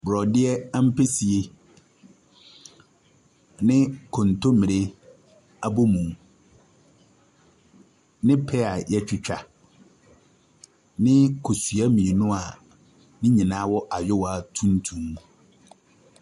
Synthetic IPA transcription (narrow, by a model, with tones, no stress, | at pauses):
bɾɔ˨dɪ˦ɛ˦a˦m̩˦pʰe˦si˨e˦ | nɪ̃˦kʰɔ̃˨n˨tʰo˦mĩ˨ɾe˦ | a˦bo˦mũ˨m | nɪ̃˦pʰɛ˦a˨jɛ˦t͡ɕᶣɪ˦t͡ɕᶣa˨ | nɪ̃˦kʰo˨sɥa˦mĩ˨i˨nʊ̃˦a˨ | nɪ̃˦ɲĩ˨nãː˦wɔ˦ʔa˨jʊ˦wa˨tʰũ˦n˦tʰũ˦m